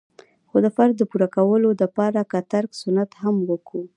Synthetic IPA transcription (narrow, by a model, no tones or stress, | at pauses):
xod̪əfaɾd̪ːəpuɾakawəlod̪əpɑɾakat̪aɾksʊnat̪hamwəkɽu